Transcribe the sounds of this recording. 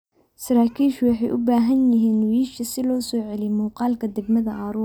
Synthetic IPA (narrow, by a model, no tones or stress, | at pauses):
sɐɾaːkʰiːʃʊwɑħɑjʔʊbaːɦɐnjɪɦiːnwiːʃɐsɪlɔːsɔːʕɛlɪjmuːqɑːlkʰɐd̪ɛɡmɐðɐʔaːɾuːɾ